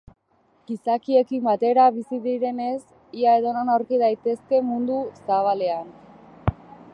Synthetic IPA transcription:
ɡ̥isakie̞kimbat̪e̞ɾaβisiðiɾe̞ne̞s | iae̞ðo̞nonawɾkiðajt̪e̞ske̞mund̪usaβ̞ale̞an

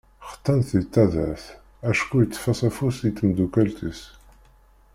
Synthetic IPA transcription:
χə̥t̪ːænθit̪ːæðæ̰θ | æʃkujət͡sːfæsæfusit̪ːəmd̪ukælt̪is

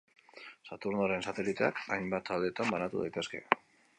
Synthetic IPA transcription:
sat̪uɾnoɾe̞nsat̪e̞lit̪e̞akajmbat̪ːald̪e̞t̪ambanat̪uða̰jt̪e̞ske̞̰

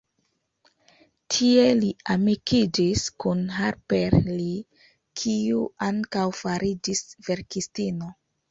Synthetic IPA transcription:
tʰie̞liamikʰid͡ʒiskunɦaɾpeɾli | kʰiuaŋkawfaɾid͡ʒisv̥e̞ɾkistino̞

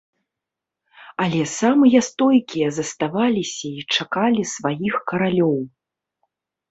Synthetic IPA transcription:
ɐlʲɛsamɨjɐst̪ɔjkʲijɐzɐst̪avalʲisʲɐit͡ʂakalʲisvajixkɐɾalʲɔw

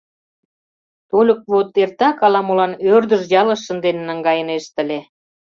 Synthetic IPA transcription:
t̪olʲə̆k̚βot̪ert̪ɑkɑlɑmolɑnørd̪ə̆ʒjɑlə̆ʃːə̆nd̪enenəŋɡɑjə̆neʃt̪ə̆lʲe

